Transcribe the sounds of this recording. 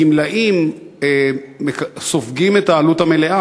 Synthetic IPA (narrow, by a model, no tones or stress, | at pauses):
imlaʔim | eesofɡimetaːluthamele̞ʔa